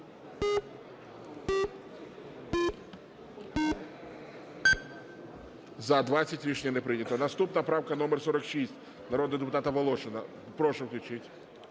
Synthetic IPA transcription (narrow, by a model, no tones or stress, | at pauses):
zɐd̪ʋat͡sʲɐtʲɾʲiʃnʲɐnɛpɾɪnʲɐt̪ɔnɐst̪upnɐpɾɑwkɐnɔmɛrsɔɾɐkʃisʲtʲ | nɐɾɔd̪ɣd̪epʊt̪ɑt̪ɐʋɐlˠɔʃɪnɐ | pɾɔʃɛwklʲʊt͡ʃɪtʲ